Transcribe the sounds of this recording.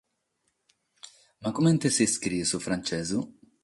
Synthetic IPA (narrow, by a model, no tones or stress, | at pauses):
makumɛnt̪esiskɾisufɾant͡ʃɛzu